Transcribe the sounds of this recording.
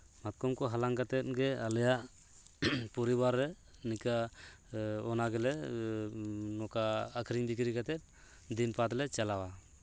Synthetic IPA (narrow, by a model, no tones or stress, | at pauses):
mat̪̚kɔmkɔɦalaŋɡat̪ɛt̪̚ɡɛalɛjaʔ | puɾibaɾːɛ | nika | ɔnaɡɛlɛ | nɔkaːkʰɾiɲbikɾiɡat̪ɛt̪̚ | d̪inpʰat̪lɛt͡ʃalawa